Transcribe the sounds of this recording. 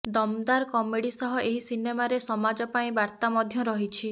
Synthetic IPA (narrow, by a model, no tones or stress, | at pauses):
d̪ɔmd̪aɾkɔmeɽisɔɦɔʔeɦisinemaɾesɔmad͡ʒɔpaĩbaɾt̪amɔd̪ʱjɔɾɔɦit͡ʃʰi